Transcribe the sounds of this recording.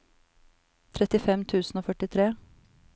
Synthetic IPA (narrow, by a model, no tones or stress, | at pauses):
t̪ʰɾɛt̪ɪfɛmt̪ʰʉːsn̩oːfœʈɪt̪ʰɾeː